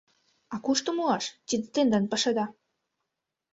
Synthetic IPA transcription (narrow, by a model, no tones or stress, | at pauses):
ɑkuʃt̪əmuɑʃt̪id̪et̪end̪ɑnpə̆ʃɤ̆d̪ɑ